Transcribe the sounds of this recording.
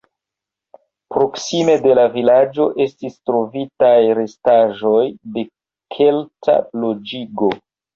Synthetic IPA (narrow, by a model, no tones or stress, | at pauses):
pɾo̞ksime̞de̞lavilad͡ʒo̞ʔe̞stistɾo̞vitajɾe̞staʒo̞jde̞ | kʰe̞ltʰa̰lod͡ʒiɡo̞